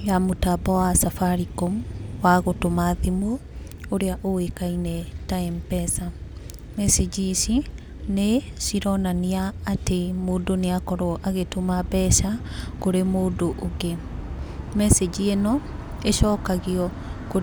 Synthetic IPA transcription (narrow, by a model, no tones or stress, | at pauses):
jamotabɔwasafaɾikomwaɣotomaðimo | oɾeaʔoekainɛtaɛmpɛsa | mɛsed͡ʒisi | nesiɾɔnaniaːtemoːndoneakɔɾɔʔaɣetomabɛʃakoɾemoːdoʔoɡe | mɛsed͡ʑienɔ | eʃɔːkaɣiɔ | ko